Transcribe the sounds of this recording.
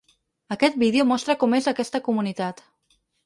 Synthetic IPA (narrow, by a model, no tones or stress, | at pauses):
əkɛt̪̚biðeomɔst̪ɾəkɔmezəkɛst̪əkumunit̪at̪